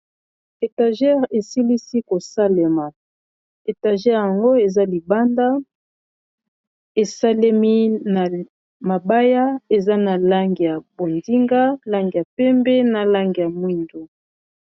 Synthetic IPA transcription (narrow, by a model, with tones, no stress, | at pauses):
e˨ta˨ʒɛ˦ʁe˨si˦li˦si˦ko˨sa˦le˨ma˨ | e˨ta˨ʒɛ˦ʁja˨ŋɡo˦e˨za˦li˨ba˦nda˦ | e˨sa˦le˦mi˦na˨ | ma˨ba˦ja˦e˨za˦na˨la˦ŋɡi˨ja˨bo˨ndi˦ŋɡa˦la˦ŋɡi˨ja˨pɛ˦mbɛ˦na˨la˦ŋɡi˨ja˨mwi˦ndo˨